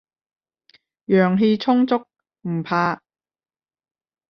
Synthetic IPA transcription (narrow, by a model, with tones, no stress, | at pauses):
jœː˨˩ŋɦeː˧t͡sʰʊ˥ŋt͡sʊ˥k̚ | m̩˨˩pʰaː˧